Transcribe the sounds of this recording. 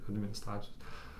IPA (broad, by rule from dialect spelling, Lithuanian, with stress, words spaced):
ɐdʲmʲɪnʲɪˈstrɑːt͡sʲɪjoːs